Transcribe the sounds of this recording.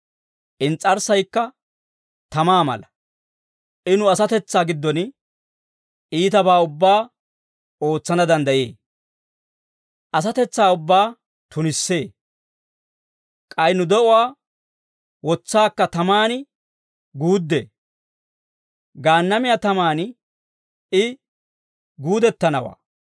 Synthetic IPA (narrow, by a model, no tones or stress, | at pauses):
ʔɪnt͡sʼːɐɾsɐjkːɐ | t̪ɐmaːmɐ̰lɐ | ʔɪnʊɐsɐt̪ɛt͡sːaːɡɪd̪ːɔn | iːt̪ɐbaːʊbːaː | o̞ːt͡sːɐnɐd̪ɐnd̪ɐjḛː | ʔɐs̬ɐt̪ɛt͡sːaːʊbːaː | t̪ʊnɪsːe̞ː | kʼɐjnʊd̪ɔʔʊwaː | wɔt͡sːaːkːɐt̪ɐmaːnɪ | ɡuːd̪ːḛ | ɡaːnːɐmɪjat̪ɐmaːn | ɪ | ɡuːd̪ɛt̪ːɐnɐwa̰ː